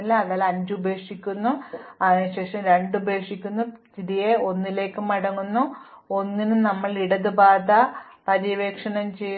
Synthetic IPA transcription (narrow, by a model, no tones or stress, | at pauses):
lɐɐðaːlɐɲd͡ʑubʱe̞ːkʂikʲːunːuɐɕe̞ːʂɐmɾe̞ɳɖubʱe̞ːkʂikʲːunːut̪iɾijeo̞nːile̞ːkːumːɐɽɐŋːunːuo̞nːinunɐmːɐɭiɽɐðɨbaːd̪ɐpɐɾiʋe̞ːkʂɐɳɐmt͡ɕe̞j